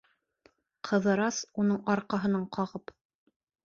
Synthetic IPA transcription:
qʰɤ̆ðɤ̆ɾɑsunɤɴɑɾqɑɦɤ̆nɑɴqʰɑʁɤp

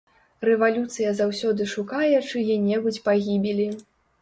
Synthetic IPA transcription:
rɛvalʲut̪sɨjɐzawsʲɔd̪ɨʂukajɛt͡ʂɨjɛnʲɛbut͡sʲpaɣʲibʲilʲi

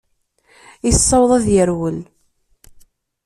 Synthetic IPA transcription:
isˤːɑwðˤæðjəɾwəl

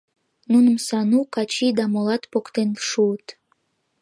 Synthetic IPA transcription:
nunəmsɑnukɑt͡ɕid̪ɑmolɑt̪pokt̪enʃuət̪

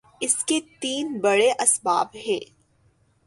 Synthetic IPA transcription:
ɪsket̪iːnbɐɽeʔɐsba̰ːbɦɛ̃ː

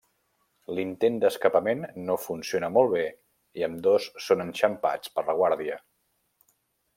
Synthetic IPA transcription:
lint̪end̪əskəpəmenːofunsionəmɔlˠβ̞e | iəmd̪osːonənʃəmpa̰t͡spərləɣ̞waɾðiə

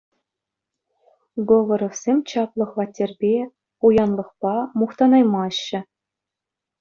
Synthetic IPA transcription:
ɡovŏɾofsʲemʲt͡ɕɑplˠɤ̆χvɑtʲːerʲbʲe | ujɑnlˠɤ̆χpɑmuχt̪ɑnɑjmɑɕːɘ̆

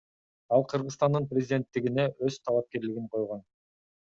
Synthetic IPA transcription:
ɑlˠqʰɯɾʁɯəst̪ɑnd̪ɯnprʲɪzʲɪd̪ʲe̞nt̪ːiɡine̞ʔøzt̪ʰɑlˠɑp̚ke̞ɾlɪɡiɴqʰo̞jʁo̞n

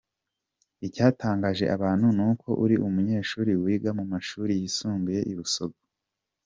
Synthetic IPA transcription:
icaːtʰaːŋɡaʒe̞̰ʔaβaːn̥hunukʰo̞ʔuɾiʔumuɲe̞ːʃuːɾiwiːɡamumaʃuːɾijisuːŋɡuje̞ʔiβuso̞ɡo

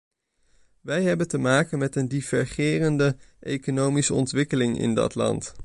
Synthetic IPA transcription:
ʋɛjɦɛbəntəmaːkənmɛtəndivɛɹχɪːrəndəʔejkonowmisəɔntʋɪkəlɪŋɪ̰ndɑ̰tlɑ̰nt

